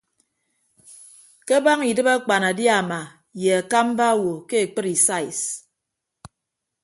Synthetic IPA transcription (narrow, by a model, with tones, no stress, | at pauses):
ke˦ba˦ŋi˨dɨ˦ba˦k͡pa˨na˨dja˦˨ma˨ | je˨a˨ka˦m̩˦ba˦wo˨ke˦e˨k͡pɨ˦ɾi˨sa˦˨i˨s